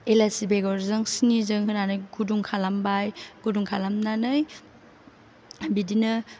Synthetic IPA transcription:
elasibeɡɔɾzɯŋsinizɯŋhɯnanɯjɡuduŋkʰalambajɡuduŋkʰalamnanɯj | bidinɯ

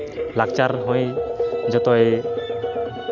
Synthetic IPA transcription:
lak̚t͡ʃaɾɦɔ̃jd͡ʒɔt̪ɔj

